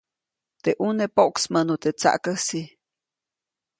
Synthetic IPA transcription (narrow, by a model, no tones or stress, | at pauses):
t̪eʔunepoʔksmənot̪et͡sa̰ʔkəsi